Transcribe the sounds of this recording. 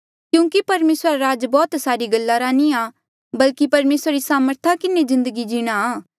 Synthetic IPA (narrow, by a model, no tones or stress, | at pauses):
kjũːkipɐɾmeːsɾɾaɾaːd͡ʒbɔːt̪saːɾiɡɐlːaɾaːnia | bɐlkipɐɾmeːsɾaɾisaːməɾt̪ʰakɪnezɪ̃nd̪əɡid͡ʒiːɽ̃aaː